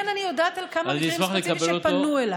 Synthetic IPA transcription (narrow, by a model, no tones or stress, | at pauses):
nanijod̪aːt̪alkamaniismaχlekɐelotponuela